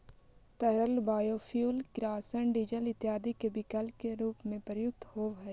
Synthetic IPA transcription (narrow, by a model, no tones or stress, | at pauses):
t̪ɐɾəlbaːjoːfʰjuːlkɾaːsəɳɖɪd͡ʒəlɪt̪jaːd̪ikebɪkəlkeɾuːpmẽpɾəjʊk̚t̪hoːɦɛ